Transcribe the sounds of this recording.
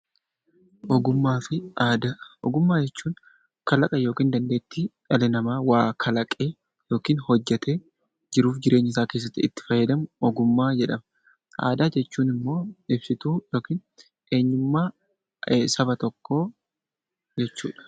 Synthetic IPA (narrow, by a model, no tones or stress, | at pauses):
ʔɔɡʊmːaːfɪaːd̪aɔ̰ɡʊmːaːd͡ʒɛt͡ʃːuːn | kɐlɐkʼɐjo̞ːkiːnd̪ɐnd̪eːt̪ːiːᶑɐlɪnɐmaːwaːkʰɐlɐkʼeː | jo̞ːkiːnhɔd͡ʒːɛt̪ʰeː | d͡ʒɪɾuːfd͡ʒɪɾe̞ːɲːɪs̬aːke̞ːs̬ːɐt̪ːɪɪt̪ːɪ̥fɐjːɛd̪ɐmʊɔɡʊmːaːd͡ʒɛᶑɐmɐ | ʔa̰ːd̪aːd͡ʒɛt͡ʃːuːnɪmːo̞ːɪbsɪt̪uːjo̞ːkiːn | ʔeːɲːʊmːaː | sɐbɐt̪ɔkːo̞ː | d͡ʒɛt͡ʃːṵːᶑɐ̥